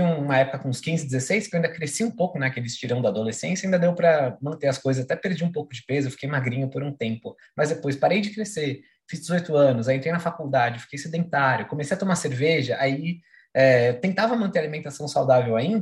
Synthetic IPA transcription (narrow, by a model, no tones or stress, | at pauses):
ĩũũmɐɛpʊ̥kɐkõʊskĩzɪd͡ʒ̪ɪzesejskewaĩd̪ɐkɾesiũpowkʊnɛɐkelɪst͡ʃiɾɐ̃w̃d̪ɐad̪olesẽnsjɐaĩnd̪ɐd̪ewpɾɐmɐ̃nt̪eɐskojzɐzat̪ɛpeɾd͡ʒiũpowkʊd͡ʒɪpezʊewfi̥kejmaɡɾĩɲʊpoɾũt̪ẽmpʊ | mɐzd̪epojspaɾejd͡ʒɪkɾese | fizd͡ʒɪzojt̪ʊɐ̃nʊz̬ajĩt̪ɾejnɐfakuwd̪ad͡ʒɪwfi̥kejsed̪ẽt̪aɾʲjʊkomesejɐt̪omaseɾveʒɐʔai | ɛt̪ẽt̪avɐmɐ̃nt̪eɾalimẽnt̪asɐ̃w̃sawd̪avewaĩnd̪